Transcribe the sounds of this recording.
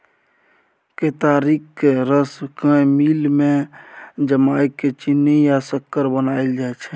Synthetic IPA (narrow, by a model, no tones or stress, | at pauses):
ket̪aːɾikkeɾəskə̃miːlmẽ | d͡ʒəmaːikːet͡ʃinːejasəkːəɾbənaːild͡ʒaːet͡ʃʰɛ